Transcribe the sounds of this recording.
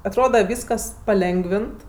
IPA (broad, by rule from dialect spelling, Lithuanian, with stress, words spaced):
ɐtˈroːdɐ ˈʋʲiːskɐs pɐˈlʲɛŋɡʋʲɪnt